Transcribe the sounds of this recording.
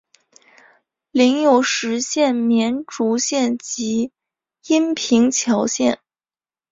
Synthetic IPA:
li˧˥ŋjo˨˩ʊʂɻ̩˧˥ɕjɛ˥˩nmjɛ˧˥nʈ͡ʂu˧˥ɕjɛ˥˩nt͡ɕi˧˥ | i˥npʰi˧˥ŋt͡ɕʰjɑ˧˥ʊɕjɛ˥˩n

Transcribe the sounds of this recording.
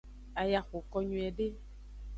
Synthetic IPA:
a˨ja˨xo˨kɔ˧ɲũ˨ɛ˨ɖe˦

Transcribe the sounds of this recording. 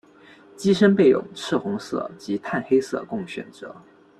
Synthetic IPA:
t͡ɕi˥ʂə˥npe˥˩ɪjʊ̰˨˩ŋʈ͡ʂʰɻ̩˥˩xʊ˧˥ŋsɤ̰˥˩t͡ɕi˧˥t̪ʰa˥˩nxe˥ɪsɤ̰˥˧kʊ˥˩ŋɕɥɛ̰˨˩nt͡sɤ˨˩˦

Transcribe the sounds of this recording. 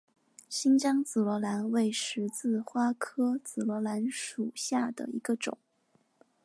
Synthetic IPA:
ɕi˥nt͡ɕjɑ˥ŋt͡sɹ̩˨˩lwɔ˧˥la˧˥nwe˥˩ɪʂɻ̩˧˥t͡sɹ̩˥˩xwa˥kʰɤ˥t͡sɹ̩˨˩lwɔ˧˥la˧˥nʂu˨˩ɕja˥˩d̪ə̰˩ḭ˧˥ɡə˧ʈ͡ʂʊ̰˨˩˦ŋ

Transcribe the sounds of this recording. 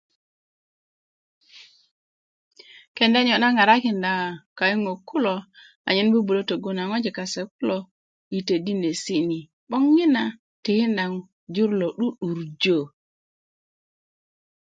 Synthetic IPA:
ke˨nda˦ɲo˨na˦ŋa˨ɾa˦ki˨nda˨ŋ˨ka˨ji˦ŋo˨ku˦lo˨ | a̰˨ɲi˦nbu˦bu˨lo˦to˨ɡu˦na˨ŋo˦d͡ʒi˨ka˨se˨ku˦lo˨ | i˨te˨di˦ne˨si˦ni˨ | ɓo˦ŋːi˦na˨ | ti˨hi˦nda˨ŋ | d͡ʒu˦ɾlo˨ɗu˦ɗu˨ɾd͡ʒo˦˨

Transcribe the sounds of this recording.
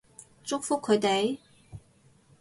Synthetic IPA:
t͡sʊ˥k̚fʊ˥kʰːɵ˨˧ɥt̪e˨j

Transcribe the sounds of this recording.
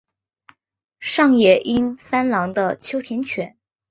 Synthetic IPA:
ʂɑ˥˧ŋjɛ˨˩ʔi˥nsa˥nlɑ˧˥ŋd̪ə˧t͡ɕʰjo˥ʊt̪ʰjɛ˧˥nt͡ɕʰɥɛ˧˥n

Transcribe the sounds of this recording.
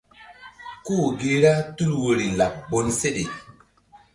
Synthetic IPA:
ku˦˨ɡe˦ɾa˦tu˦lwo˨ɾi˨la˨pbo˨nse˦ɗe˨

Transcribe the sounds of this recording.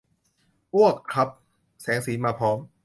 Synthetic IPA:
ʔu˥˩ət̪̚kʰɾa˦˥p̚ | sɛː˩˦ŋsiː˩˦maː˧pʰɔː˦˥m

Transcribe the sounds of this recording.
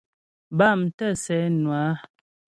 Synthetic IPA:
ba˦˨mtə˦˨sɛ˨˦nwa˨˦

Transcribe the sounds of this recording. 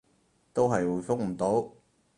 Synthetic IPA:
t̪o˥wɦɐ˨jwuː˨˧jfʊ˥ŋ̚m̩˨˩t̪o˨˥w

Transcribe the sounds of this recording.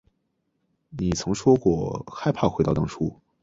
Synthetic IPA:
ni˨˩t͡sʰɤ˧˥ŋʂwɔ˥kwɔ˥˩xa˥˧ɪpʰa˥˩xwe˧˥t̪ɑ˥˩ʊt̪ɑ˥ŋʈ͡ʂʰu˥

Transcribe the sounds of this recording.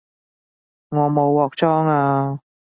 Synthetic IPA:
ŋɔː˨˧mo˨˧wːɔː˨k̚t͡ʃɔː˥ŋaː˧

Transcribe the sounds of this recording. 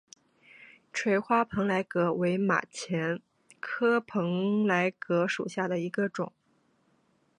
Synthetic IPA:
ʈ͡ʂʰwe˧˥˩ɪxwa˥pʰɤ˧˥ŋla˧˥ɪkɤ˧˥we˧˥ɪma̰˨˩t͡ɕʰjɛ˧˥n | kʰɤ˥pʰɤ˧˥ŋla˧˥ɪkɤ˧˥ʂu˨˩ɕja˥˩d̪ə˩i˧˥ɡə˧ʈ͡ʂʊ˨˩˦ŋ

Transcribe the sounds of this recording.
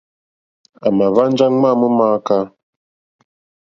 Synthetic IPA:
a˨ma˨va˦n˦d͡ʒa˦ŋ͡ma˦mu˦maː˦ka˦

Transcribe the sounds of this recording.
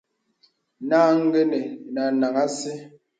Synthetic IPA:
naː˦ŋ̩˦ɡe˦ne˨na˨na˨ŋa˦se˦

